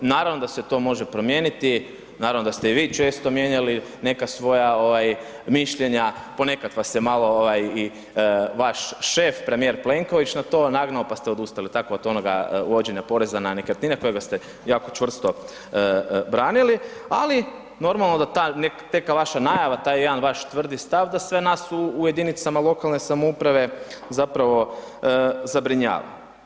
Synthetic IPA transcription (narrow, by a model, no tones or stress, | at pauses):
naːɾaʋno̞d̪ase̞t̪o̞ːmo̞ʒepɾo̞mjeːnit̪i | naːɾaʋno̞d̪ast̪e̞iʋiːt͡ʃe̞ːst̪o̞mje̞ɲaline̞kasʋo̞jaoʋaj | miʃʎe̞ɲapo̞ne̞kat̪ʋasjemalˠo̞oʋaji | ʋaʃʃe̞fpɾe̞mije̞ɾple̞ŋko̞ʋit͡ʃnat̪o̞ːnaɡnaopast̪eod̪ust̪alit̪akoot̪o̞noɡa̰od͡ʒeɲapo̞ɾe̞zananekəɾt̪nineko̞jeɡast̪e | jaːko̞t͡ʃʋr̩st̪o̞ | bɾaːniliali | no̞ɾmalˠno̞d̪at̪anekt̪e̞kaʋaʃanajaʋat̪aːjejed̪anʋaʃt̪ʋr̩d̪ist̪aʋd̪asʋe̞nasuːje̞d̪init̪samalˠo̞kalne̞samoupɾaʋe̞zapɾaʋo̞ | zabɾiɲa̰ːʋa̰l